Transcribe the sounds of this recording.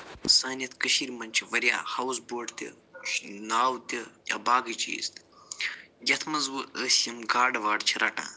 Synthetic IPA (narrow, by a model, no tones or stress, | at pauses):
saːnɐt̪kəʃiɾmɐnʲt͡ʃʰiʋɐɾja̰ːhɐwzboːʈt̪ʲɐ̰ | naːwt̪ʲɐjɐ̰baːɡɨt͡ʃḭːst̪ | jɐt̪ʰmɐnzwuəːsjɐmɡaːɖɐʋaːɖt͡ʃʰiɾɐʈã̰ː